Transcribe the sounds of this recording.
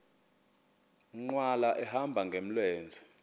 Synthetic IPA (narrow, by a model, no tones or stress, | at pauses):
ŋ͡ǃwalaʔɛhambʱaŋɡʱem̩lweːnd͡zʱi